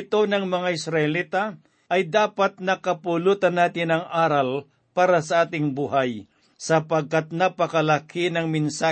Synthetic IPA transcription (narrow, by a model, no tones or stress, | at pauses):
ɪt̪o̞nɐŋmɐŋaʔɪsɾɐʔɛliːt̪ɐ | ʔɐjd̪aːpɐt̪̚nɐkɐpʊluːt̪ɐnːaːt̪ɪnɐŋʔaːɾɐl | paːɾɐsɐʔaːt̪ɪŋbuːɦaj | sɐpɐɡ̚kat̪̚nɐpɐkɐlɐkinɐŋmɪnsaː